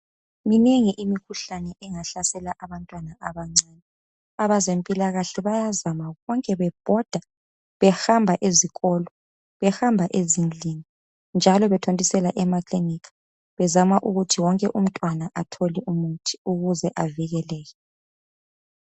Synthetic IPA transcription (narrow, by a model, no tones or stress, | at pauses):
mineŋiʔimikʰuɬanɛʔɛŋaɬasɛlaʔaβantʼwanaʔaβaŋ͡ǀaːnɛ | aβazempʼilaɣaɬɛβajazamaɣɔŋkʼɛβɛb̥ʱɔd̥ʱa | βɛxambʱaʔeziɣɔːlɔ | βɛxhambʱaʔezind͡ɮʱiŋi | nd͡ʒʱalɔβɛtʰontʼisɛlaʔɛmakʰʼlinikʰḁ | βɛzamaʔuɣutʰiwɔŋkʼɛʔum̩tʼwanaʔatʰoliʔumutʰi̥uɣuzɛʔaviɣɛlɛːjɛ